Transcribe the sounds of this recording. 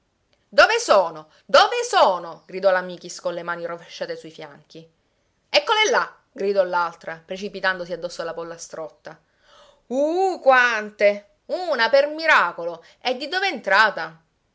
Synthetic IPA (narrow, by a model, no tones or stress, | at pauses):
d̪ovesoːno | d̪ovesoːnoɡɾid̪ɔlamiːk̟iskolemaːniroveʃːaːt̪esuifjaŋk̟i | ɛkːolelːa | ɡɾid̪ɔlalt̪ɾapɾet͡ʃipit̪and̪osiad̪ːɔsːoalːapɔlːast̪ɾɔt̪ːa | ukwant̪e | uːnapermiɾaːkolo | ɛd̪ːid̪oːveɛːnt̪ɾaːt̪a